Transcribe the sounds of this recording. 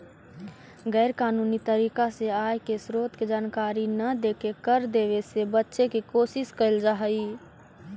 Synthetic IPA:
ɡɛːɾkaːnuːnit̪əɾiːkaseaːjkesɾoːt̪ked͡ʒaːnkaːɾinəd̪eːkekəɾd̪eːʋesebətːʃekikoːsɪskəld͡ʒaɦəi

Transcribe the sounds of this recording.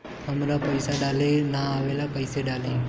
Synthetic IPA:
ɦəmɾaːpəɪsaːɗaːleːnaːaːʋeːlaːpəɪseːɗaːleː

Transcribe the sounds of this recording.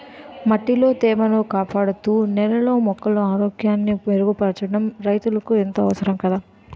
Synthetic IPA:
mɐʈːilo̞ːt̪ɛːmɐnoːkaːpaːɽut̪uːnɛlɐlo̞ːmɔkːɐloaːɾoːɡjaːnːiʋeɾuɡupɐɾt͡ʃɐɽɐmɾɐjt̪ulɐkuent̪ɐːʋɐsɐɾɐmkɐd̪aː

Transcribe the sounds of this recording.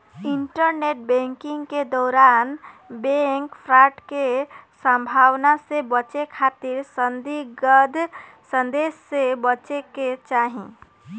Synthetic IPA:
iɳʈəɾneʈ̚bẽŋkiŋɡked̪ɔːɾanbeŋkpʰɾaʈkesə̃mbʱawnasebət͡ʃekʰat̪iɾsənd̪iɡəd̪ʱ | sə̃nd̪esːebət͡ʃeket͡ʃaɦĩ

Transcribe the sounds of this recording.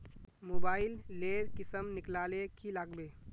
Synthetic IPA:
moːbaːɪlːeːɾkɪsəmnɪklaːlekilaːɡbeː

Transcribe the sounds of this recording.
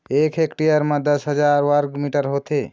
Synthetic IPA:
ekʰekʈijəɾmẽd̪əsɦəd͡ʒaɾwəɾɡmiʈəɾɦot̪e

